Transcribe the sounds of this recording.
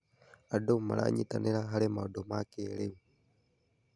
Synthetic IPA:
adɔma̰lʔa̰ɲit̪anɛɾaɦalɛmaɔdɔmakɛːɾɛwu

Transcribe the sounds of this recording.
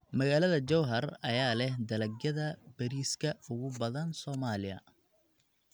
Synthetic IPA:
mɐɣaːlɐðɐd͡ʒɔwɦɐrɐjaːlɛhd̪ɐlɐɡjɐðɐbɐɾiːskʰɐʊɣʊbɐðɐnsɔːmaːlɪjɐ̰

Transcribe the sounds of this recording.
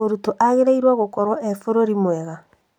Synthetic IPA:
oɾutoʔaɣeɾeiɾwaɣokɔɾwaʔɛfoɾoɾimwɛɣa

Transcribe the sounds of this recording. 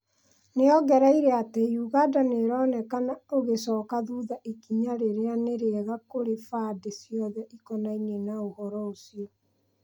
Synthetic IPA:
neɔɣɛɾaiɾeatejuɣadaneɾɔnɛkanaoɣesɔːkaðuːðaʔikiɲaɾeɾeaneɾeɛɣakoɾefaːdesijɔðɛʔikɔnainenaohɔɾɔosiɔ

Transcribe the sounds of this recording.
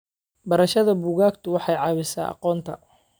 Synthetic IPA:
bɐɾɐʃɐðɐbuːɣaːɡt̪ʰʊwɑħɑjʕɑːβɪsa̰ːʔɑ̰qɔːnt̪ʰɐ̰

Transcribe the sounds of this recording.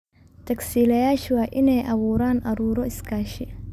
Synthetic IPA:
t̪ʰɐksiːlɐjaːʃwɑːʔɪnɛjʔɐβuːɾaːnʔɐɾuːɾɔɪskʰaːʃɛ

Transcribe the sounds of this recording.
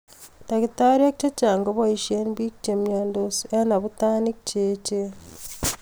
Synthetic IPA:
ntakitaɾjakt͡ʃat͡ʃaːŋɡoβaiʃienβikt͡ʃemjoːndosenaβutaːnikceːt͡ʃe

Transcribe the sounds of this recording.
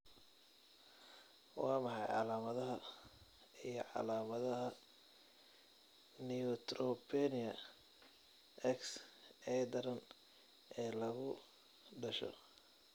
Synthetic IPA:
wɑːmɑħɑjʕɑ̰laːmɐðɐɦɐ | ijɔʕɑ̰laːmɐðɐɦɐ | niʊt̪ɾɔpʰɛnɪɐ | ʔɛksɛd̪ɐɾɐn | ʔɛːlɐɣʊ | ɖɐʃɔ̰

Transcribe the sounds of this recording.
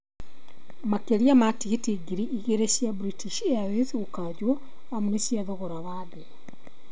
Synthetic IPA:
makeliamatiɣitiɡiɾiʔiɣeɾesjabuɾitiʃeaweθɣukaɟwo | amunesjaðoɣoɾaβaːðe

